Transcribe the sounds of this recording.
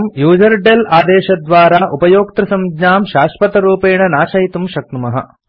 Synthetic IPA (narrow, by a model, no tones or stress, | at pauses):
mjuːd͡ʒɐɾɖelaːd̪ɛːʃɐd̪ʋaːɾaːʔupɐjoːk̚t̪ɾɐsɐmɡɲaːmʃaːʂpɐt̪ɐɾuːpeːɳɐnaːʃɐɦit̪umʃɐk̚t̪umɐɦɐ̰